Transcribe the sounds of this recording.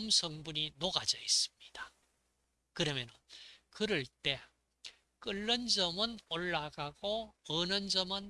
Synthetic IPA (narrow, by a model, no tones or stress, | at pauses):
msʰʌŋbuɲinoɡad͡ʑʌis͈ɯ̥mɲid̥a | kɯɾʌmjʌnɯnkɯɾɯɭt͈e̞ | k͈ɯɭːʌnd͡ʑʌmɯnoɭːaɡaɡoʌnʌnd͡ʑʌmɯn